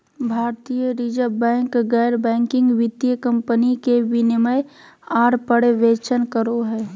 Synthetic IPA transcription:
bʱaːɾt̪ijəɾid͡ʒəɾbɛ̃ːŋkɡɛːɾbɛ̃ːŋkɪ̃ŋɡʋɪd̪jəkə̃mpənikeʋinɪməj | aːɾpəɽeʋeːt͡ʃənkəɾoɦɛː

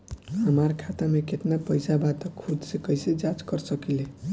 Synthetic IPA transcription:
ɦəmaɾkʰat̪amekeʈnapəjsabat̪əkʰːud̪sekəjsed͡ʒat͡ʃkəɾsəkile

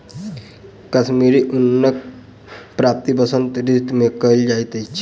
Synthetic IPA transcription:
kəsmiɾiʔunːək̚ | pɾap̚t̪ibəsənt̪ɾit̪mekəld͡ʒajt̪əjt͡ʃʰi

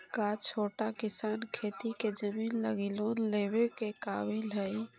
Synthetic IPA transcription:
kat͡ʃʰoʈakisankʰet̪iked͡ʒəminlə̰ɡelonlebekeka̰bilɦəj

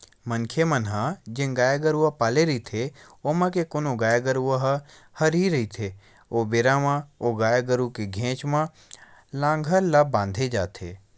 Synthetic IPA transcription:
mənkʰemənɦãd͡ʒẽɡaːjaɡəɾuapaːleɾəit̪ʰeoːmãkekoːnoɡaːjaɡəɾuəɦ | həɾiɾɐɦit̪ʰe | oːbeːɾamãoɡaːjaɡəɾukeɡʱẽːt͡ʃmã | lãːŋɡʱəlːabãːnd̪ʱed͡ʒa̰ːt̪ʰḛː

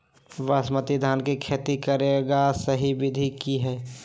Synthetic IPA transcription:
ʋəsmət̪id̪ʱaːnkekʰet̪ikəɾeɡasəɦibɪd̪ʱikiɦɛː

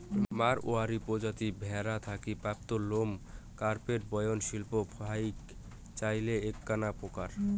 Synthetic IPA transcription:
maɾoaɾipod͡ʑat̪ibʱɛɾat̪ʰakipap̚t̪olomkaɾpeʈ̚bɔjonʃilpobʰʱajk | t͡ɕajleekːanapokaɾ

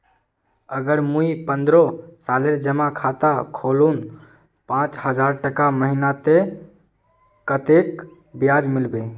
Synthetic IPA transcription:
əɡəɾmuipənd̪ɾɔsaleɾd͡ʒəmakʰat̪akʰolun | pãt͡ʃhəd͡ʒaɾʈəkaməɦinat̪e | kət̪ek | bjad͡ʒmilbe

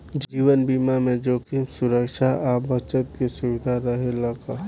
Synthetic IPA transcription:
d͡ʒiːwənbiːmamẽd͡ʒoːkimsʊɾəkʃʰaʔabʱət͡ʃət̪̚kesʊʋɪd̪ʱaɾəɦelaka

